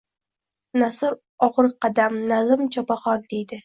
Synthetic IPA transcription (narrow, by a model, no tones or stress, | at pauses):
nasɪɾ | ɒʁɾqʰɑd̪amnazɪmt͡ʃʰɒpaχɒɾd̪e̞jd̪ɪ